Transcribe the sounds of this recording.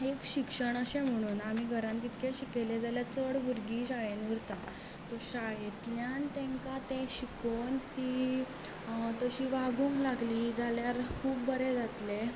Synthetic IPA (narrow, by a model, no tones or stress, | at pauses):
ekɕikʂəɳəɕẽm̤əɽ̃uːnam̤iɡʱəɾãnkit̪kẽɕikeled͡zaljat͡səɽbʱuɾɡiɕajenʋuɾt̪a | t͡soɕajet̪ljãnt̪ɛ̃ŋkat̪ẽɕikont̪i | t̪əɕiːʋaɡũŋklaɡlid͡zaljaɾkʰuːbːəɾed͡zat̪le